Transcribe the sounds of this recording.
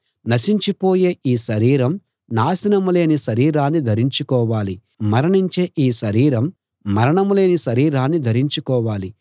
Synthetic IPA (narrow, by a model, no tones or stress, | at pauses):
nɐsiɲt͡ʃipoːje̞ːʔiːʃɐɾiːɾɐm | naːsinɐmule̞ːniʃɐɾiːɾaːnːid̪ʱɐɾiɲt͡ʃukɔːʋaːli | mɐɾɐɳiɲt͡ʃe̞ːʔiːʃɐɾiːɾɐmː | ɐɾɐɳɐmule̞ːniʃɐɾiːɾaːnːid̪ʱɐɾiɲt͡ʃukɔːʋaːli